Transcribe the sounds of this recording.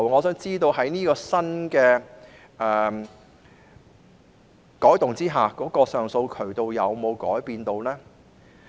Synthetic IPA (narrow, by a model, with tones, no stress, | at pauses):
wŋɔː˨˧sœː˨˥ŋt͡siː˥t̪o˧wɦɐ˨˥jniː˥kɔː˧sɐ˥nkɛː˧ | ʔɛː˨ | kɔː˨˥jt̪ʊ˨ŋt͡siː˥ɦaː˨˩kɔː˨˥kɔː˧sœː˨ŋso˧wkʰɵ˨˩ɥt̪o˧wjɐ˨˧wmo˨˧wkɔ̰ː˨˥jpiː˧nt̪o˧wlɛː˥